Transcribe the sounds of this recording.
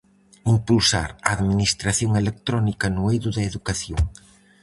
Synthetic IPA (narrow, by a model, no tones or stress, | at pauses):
impulsa̰ɾɐːðminist̪ɾaθjoŋelek̚t̪ɾɔnikɐnʊejðʊðɐeðukaθjoŋ